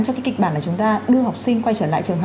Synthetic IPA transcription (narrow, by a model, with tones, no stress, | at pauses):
nt͡ɕɔ˧kaː˨˦ki˨˩k̚ɓaː˧˩nlaː˨˩t͡ɕʊ˨˦ŋ͡mt̪aː˧ɗɨ˧əha˨˩wk͡p̚sï˧ŋkwa˧jt͡ɕəː˧˩la̰ː˧˨jt͡ɕɨ˨˩əŋɦ